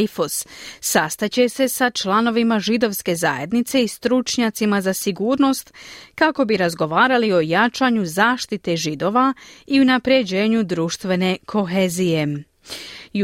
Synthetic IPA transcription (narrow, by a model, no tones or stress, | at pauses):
fosːast̪at͡ɕe̞se̞sat͡ʃlano̞ʋimaʒid̪o̞ʋske̞za̰ːje̞d̪nit̪se̞ist̪ɾut͡ʃɲat̪simazasiɡuːɾno̞st̪kako̞biɾazɡo̞ʋaːɾalio̞jat͡ʃaɲuzaːʃt̪it̪e̞ʒid̪o̞ʋaiunapɾje̞d͡ʑe̞ːɲud̪ɾuʃt̪ʋe̞ne̞kʰo̞xe̞zije̞